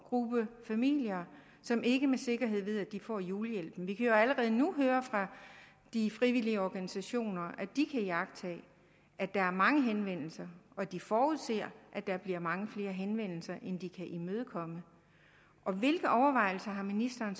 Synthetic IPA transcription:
ɡ̥ʁub̥əfæmḭljɐ | sɒ̽mʔe̝ɡ̥əmese̝ɡ̥ɐɦe̝ð̞̰ˠʋe̝ð̞ˠæd̥ifɒ̰ːjuːləjel̰b̥n̩ʋikʰæjo̝æləʁɛːð̞ˠnuɦøːɐfʁɑ̈ | d̥ifʁiʋiliəɒɡ̥ænisæɕo̝̰ːnɐʔæd̥ikʰæjɑ̈ɡ̥̚t͡sʰɛ̰ː | æd̥ɑ̈æɐmɑ̈ŋəɦenʋen̰l̩sɐʔɒ̽d̥ifɒːuð̰ˠse̝ɐ̰ʔæd̥ɑb̥liɐ̰mɑ̈ŋəfle̝ːɐɦenʋen̰l̩sɐʔend̥ikʰæʔimøːð̞ˠəkʰɒ̽mə | ʔɒ̽ʋe̝lɡ̥ð̩ˠɒʊɐʋɑ̈ɪ̰l̩sɐɦɑ̈minisd̥ɐːn

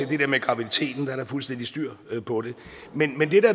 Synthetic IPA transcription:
e̝d̥e̝d̥eɐmeɡ̥ʁɑ̈ʋid̥it͡sʰe̝̰ːd̥n̩d̥ɑ̈ɐɾ̥ɑ̈fulsd̥en̰d̥isd̥yɐ̰pʰɒ̽ɾ̥e̝ | menmend̥e̝d̥æɐ

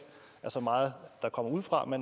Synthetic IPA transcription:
æɐsɒ̽mɑ̈ːð̩ˠd̥ɑ̈kʰɒ̽m̰ɐuð̞̰ˠfʁɑ̈men

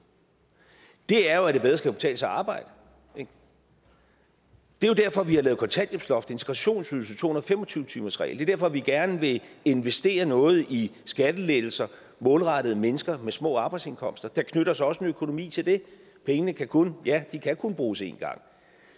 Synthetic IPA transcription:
d̥e̝æɐjo̝æɾ̥e̝b̥eðˠɐsɡ̥æ̥b̥e̥t͡sʰɛ̰ːləsɑɑ̈ːb̥ɑ̈ɪ̰d̥ə̥ | d̥e̝jo̝d̥æɐ̰fɒ̽ʋihɑ̈lɛːð̩kʰɒ̽nt͡sʰæn̰djeb̥slɒ̽fd̥e̝nt͡sʰe̝̥ɡ̥ʁɑɕo̝̰ːnsyðˠsət͡sʰo̝ːhunɐðˠfemɒt͡sʰyʊt͡sʰy̰ːmɐsʁɛ̰ːlde̝ɐd̥æɐfɒ̽ʋiɡ̥æɐnəʋe̝e̝nʋesd̥e̝̰ːɐnɔ̽ːð̞̩ˠisɡ̥æd̥əled̥l̩sɐ | mɔ̽ːlʁɑ̈d̥ð̩ˠəmenəsɡ̥ɐmesmɔ̰̽ːɑ̈ːb̥ɑ̈ɪdse̝nkʰɒ̽m̰sd̥ɐd̥ɑ̈kʰnøɾɐsɒ̽səmeøkʰo̝no̝mḭːt͡sʰe̝ld̥e̝ | pʰeŋənəkʰækʰonjæd̥ikʰækʰonb̥ʁuːse̝̰ːnɡ̥ɑ̈ŋ̰

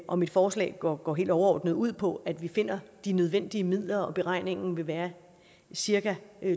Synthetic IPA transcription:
ʔɒ̽mid̥fɒːslɛ̰̥ːɡ̥ɒ̰ːɦe̝̰ːld̥ɒʊɐɒ̰ːd̥nəð̩ˠuð̞̰ˠpʰɒ̽ʔæd̥ʋife̝n̰ɐd̥inøð̞ˠʋen̰d̥iəmið̰ˠlɐɒ̽b̥e̝ʁɑ̈ɪ̰ne̝ŋn̩ʋe̝ʋæːɐ | siɐɡ̥æ

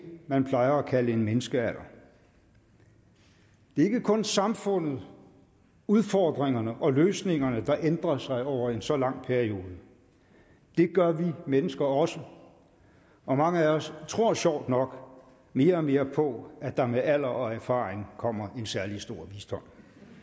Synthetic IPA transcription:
mænpʰlɑ̈ɪɐɒkʰæləe̝nmenəsɡ̥əæl̰ɐ | d̥e̝ɐe̝ɡ̥əkʰɔ̽nsɑ̈mfɔ̽n̰ð̩ˠ | uðˠfɒːd̥ʁeŋɐnəʔɒ̽løːsne̝ŋɐnəd̥ɑ̈ʔend̥ʁɐsɑ̈ɪɒʊ̰ɐe̝nsɒ̽lɑ̈ŋ̰pʰæɐio̝ːð̞ˠə | d̥e̝ɡ̥ɶɐʋimenəsɡ̥ɐɒ̽sə | ʔɒ̽mɑ̈ŋəæɒ̽st͡sʰʁo̝ɐ̰ɕɒʊ̰d̥nɒ̽ɡ̥ | me̝ːɐɒme̝ːɐpʰɒ̽æd̥ɑ̈meæl̰ɐʔɒ̽æɐfɑ̰̈ːʁeŋkʰɒ̽m̰ɐʔe̝nsæɐlisd̥o̝ɐ̰ʋiːsd̥ɒ̽m̰

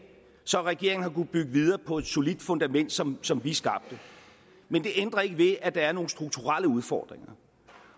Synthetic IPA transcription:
sɒ̽ʁɛɡ̥e̝ɐ̰eŋn̩hɑ̈kub̥yɡ̥əʋið̞ˠɐːpʰɒ̽e̝d̥so̝lid̥fɔ̽nd̥æmen̰d̥sɒ̽msɒ̽mʋisɡ̥ɑ̈b̥̚d̥ə | mend̥e̝ʔend̥ʁɐe̝ɡ̥əʋe̝æd̥ɑ̈æɐno̝ːn̩sd̥ʁuɡ̥̚t͡sʰuʁaləuð̞ˠfɒ̰ːd̥ʁeŋɐ

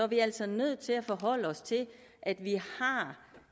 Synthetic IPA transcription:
ɒʋiæl̰sɒnøð̰ˠt͡sʰe̝læfɒ̽ɦɒ̽l̰əɒ̽st͡sʰe̝l | ʔæd̥ʋihɑ̈

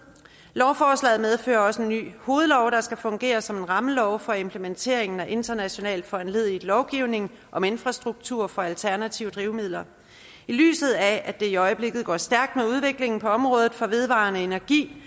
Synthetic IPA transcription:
lɒʊfɒːslɛ̰ːð̞̩ˠmeð̞ˠfø̰ːɐɒ̽səe̝nːy̰ːho̝ːð̞̩ˠlɒʊɾ̥ɑ̈sɡ̥æfɔ̽ŋɡ̥e̝̰ːɐsɒ̽me̝nʁɑ̈məlɒʊfɒ̽e̝mpʰləment͡sʰe̝̰ɐeŋn̩æʔe̝nd̥ɐnæɕo̝nɛ̰ːld̥fɒænle̝ð̞̰ˠi̥lɒʊɡ̥iʊne̝ŋ | ʔɒ̽me̝nfʁɑ̈sd̥ʁuɡ̥̚t͡sʰuɐ̰fɒ̽ælt͡sʰæɐnæt͡sʰiʊəd̥ʁiʊmið̰ˠlɐ | ily̰ːsð̞̩ˠææd̥e̝iɒ̽ɪəb̥le̝ɡ̥ð̞̩ˠɡ̥ɒ̰ːsd̥æɐɡ̥̚d̥meuð̞ˠʋe̝ɡ̥le̝ŋn̩pʰɒ̽ɒ̽mʁɔ̽ːð̞ˠð̩ˠfɒ̽ʋe̝ð̞ˠʋɑ̰̈nəe̝næɐɡ̥ḭː

